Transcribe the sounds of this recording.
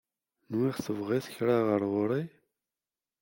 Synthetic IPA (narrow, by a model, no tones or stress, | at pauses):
nwiʁθəvʁiθçɾaʁəɾˤʁʊɾˤi